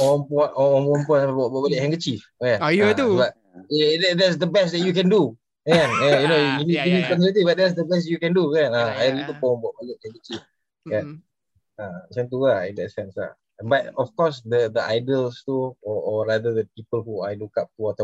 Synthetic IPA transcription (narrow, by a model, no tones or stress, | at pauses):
ɔmpɔnɔɔ̃mɔ̃mpɔ̃nbɔʔbɔʔbalɪʔ̚hɛ̃ŋɡət͡ʃifkɛ̃najt̪uba | dɛdɛts̬d̪əbɛstd̪ɛʔ̚jukɛ̃ndu | kɛ̃nɛjunojuniunikɔnɔlət̪ibaʔ̚d̪ɛts̬d̪əbɛs̬jukɛ̃ndukɛ̃naajɾit̪əpɔ̃mbɔʔ̚balət̚hɛ̃ŋɡət͡ʃif | kɛn | ãsɛnt̪̬uaḭ̃nd̪ɛtsɛ̃nsla̰ | batɔfkɔsd̪əd̪əʔajdəlst̪uɔɔɾad̪ədəpipəlhuajlukap̚t̪uwɔt̪